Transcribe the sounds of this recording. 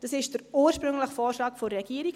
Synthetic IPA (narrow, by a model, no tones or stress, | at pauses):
d̥ɑsɪʃd̥əɾuːɾʃpɾʏŋləχfoːɾʃlɑːkfoːɛɡ̥iːəɾiɡ